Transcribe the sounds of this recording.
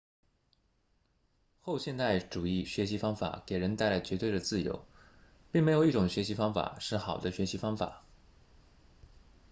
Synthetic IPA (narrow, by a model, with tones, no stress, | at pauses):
xo˥˧ʊɕjɛ˥˧nt̪a˥˩ɪʈ͡ʂu˨˩i˥˩ɕɥɛ˧˥ɕi˧˥fɑ˥ŋfa̰˨˩ke˨˩ɪɻə˧˥nt̪a˥˩ɪla˧˥ɪt͡ɕɥɛ˧˥t̪we˥˩ɪd̪ə˩t͡sɹ̩˥˩jo̰˧˥ʊ | pi˥˩ŋme˧˥ɪjo˨˩ʊi˥˩ʈ͡ʂʊ˨˩ŋɕɥɛ˧˥ɕi˧˥fɑ˥ŋfa̰˨˩ʂɻ̩˥˩xɑ˨˩ʊd̪ə˦ɕɥɛ˧˥ɕi˧˥fɑ˥ŋfa̰˨˩˦